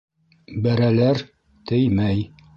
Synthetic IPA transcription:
bæɾælæɾ | t̪ɘjmæj

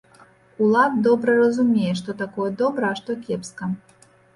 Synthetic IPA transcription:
ulˠad̪d̪ɔbɾɐɾɐzumʲejɛʂt̪ɔt̪akɔjɛd̪ɔbɾɐaʂt̪ɔkʲɛpskɐ

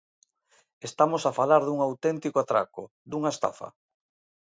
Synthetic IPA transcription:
est̪amosafalaɾðuŋawt̪ɛnt̪ikoat̪ɾa̰kʊ | d̪uŋaest̪a̰fɐ̰

